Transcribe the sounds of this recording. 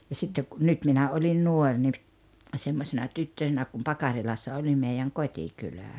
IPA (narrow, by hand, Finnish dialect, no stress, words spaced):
jɑ sitːek ku nyt minæ olʲin nuor ni semːosenɑ tytːøsenæ kum pɑkɑrilɑsːɑ olʲi meijæŋ kotʲikylæˑ